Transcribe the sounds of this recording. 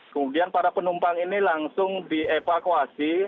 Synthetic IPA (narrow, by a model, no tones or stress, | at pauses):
kəmudianpaɾapənumpaŋinilaŋsʊŋdiefakuasi